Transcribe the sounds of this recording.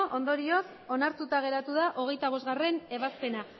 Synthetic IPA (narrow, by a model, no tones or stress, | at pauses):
ʔo̞nd̪o̞ɾio̞s | o̞naɾt̪ut̪aɣ̞e̞ɾat̪uðaʔo̞ɣ̞e̞jt̪aβo̞zɣare̞ne̞βaspe̞na